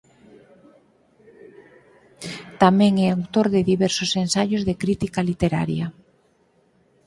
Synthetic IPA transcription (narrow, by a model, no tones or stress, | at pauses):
t̪amɛ̃ŋɛawt̪oɾðɪðiβɛɾsosẽnsajozðekɾit̪ikalit̪eɾa̰ɾjɐ